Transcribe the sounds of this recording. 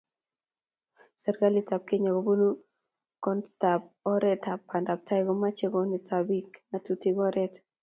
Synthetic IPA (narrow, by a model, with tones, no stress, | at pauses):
sɛ˨ɾɡa˦li˦ta˨p̚ke˦ɲa˨ɡo˨bo˦nu˦ | kɔ˦nstap̚ɔ˦ɾɛ˦ta˨pːa˨nda˨p̚ta˦jɡɔma˦t͡ʃe˦ɡo˨nitabi˦kna˨tutiɡɔɾɛt